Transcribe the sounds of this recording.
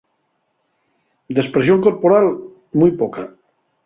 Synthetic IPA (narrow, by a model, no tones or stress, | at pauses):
d̪espɾes̬joŋkoɾpoɾal | mujpoka